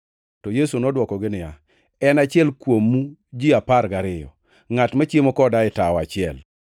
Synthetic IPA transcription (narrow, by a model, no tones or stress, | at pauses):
tɔjesunɔdwɔkɔɡɪnɪja | ɛnat͡ʃɪɛlkwomːud͡ʒɪapaɾɡaɾɪjɔ̰ | ŋatmɛt͡ʃjemokɔdaɪtaɔat͡ʃɪɛl